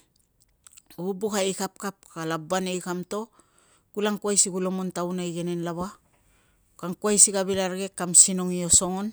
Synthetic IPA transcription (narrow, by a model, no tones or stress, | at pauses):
ubukaekap̚kap̚kalabanejkamto̞ | kulaŋkuajsiɡulomontawnajɡenenlaβa | kaŋkuajsiɡaβilaɾɡe̞kːamsinoŋio̞so̞ŋon